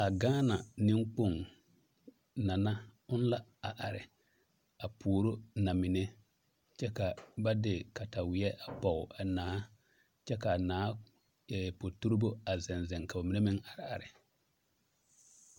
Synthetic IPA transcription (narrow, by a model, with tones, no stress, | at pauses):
a˨ɡaː˦na˨nɪ̃˦ŋk͡po˦˨ŋ | na˨na˦ʊ˦n˦la˦a˨ʔa˨ɾɪ˨ | a˨pʰuː˨ɾo˦na˨mɪ˨nɛ˦ | t͡ʃɛ˦ka˨ba˦dɪ˨ka˨ta˨wɪ˨ɛ˦ʔa˨pɔ˨ʊ˨a˨naː˨˦ | t͡ʃɛ˦ka˨naː˨˦ | ɛ˨po˨tu˦ɾbo˦a˨zɛ˨nzɛ˨ŋka˨ba˨mɪ˨ne˦mɪ˦ŋʔa˨ɾɪ˨a̰˨ɾɪ˨